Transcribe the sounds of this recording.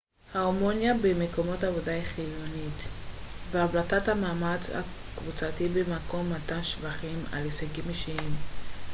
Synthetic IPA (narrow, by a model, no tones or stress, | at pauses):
haomonjabemeko̞mo̞tavodaiχilonitveavlatathamaːmat͡sha̰ | kvut͡satibemako̞mːatanʃvaχima̰lisaɡimeʃiim